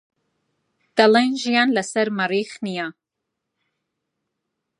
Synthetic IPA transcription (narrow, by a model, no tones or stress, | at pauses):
d̪̥alajnʒijaːnlɐsɐɾmɐɾiːχnijaː